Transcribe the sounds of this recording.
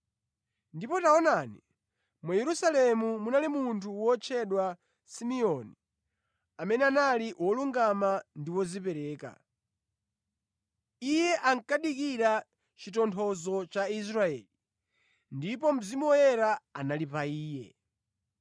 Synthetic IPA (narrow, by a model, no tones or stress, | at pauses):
ndipɔtaɔnanḭ | mwajɛɾusalɛmumunalimuntʰuwɔt͡ʃʰɛɗwa | simiɔni | amɛnɛanaliwʔɔluŋɡamandiwɔzipɛɾɛːka̰ | ijɛʔaŋkaɗikiɾa | t͡ʃitɔntʰɔzɔt͡ʃais̬ɾaɛ̰ːli | ndipɔm̩zimɔjɛɾaa̰nalipaiːjɛ̰